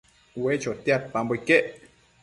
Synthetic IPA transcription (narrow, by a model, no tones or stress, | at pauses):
wet͡ʃot̪jat̪̚pambojkeʔ